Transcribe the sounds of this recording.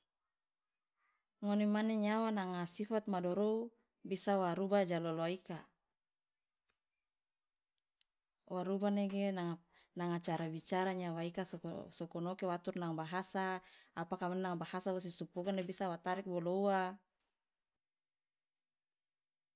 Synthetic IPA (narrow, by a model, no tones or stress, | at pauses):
ŋonemaneɲawanaŋasifat̪̚madɔɾou | bisawaɾubad͡ʒaloloaika | waɾubaneɡena | naŋat͡ʃaɾabit͡ʃaɾaɲawaikassɔkɔnokewat̪urnaŋbaɦasaːpakamannaŋbahasawos̬isupuɡanebisawat̪aɾik̚boloua